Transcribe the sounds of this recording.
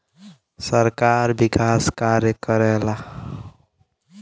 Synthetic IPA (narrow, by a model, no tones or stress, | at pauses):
səɾkaɾbikaskaɾjəkəɾɛla